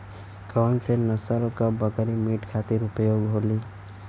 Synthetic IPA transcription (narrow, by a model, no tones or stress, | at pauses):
kəwnsenəsəlkəbəkɾimiʈkʰat̪iɾupəjoɡɦoli